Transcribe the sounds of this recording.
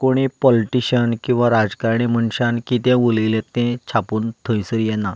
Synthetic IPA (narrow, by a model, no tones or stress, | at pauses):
koɽ̃ipɔliʈiɕənkĩw̃ʋaɾad͡zkaɾɳ̃ĩməɳɕankit̪ɛ̃ulilẽt̪ːɛ̃t͡ɕʰapuːnt̪ʰə̃j̃səɾjɛnːa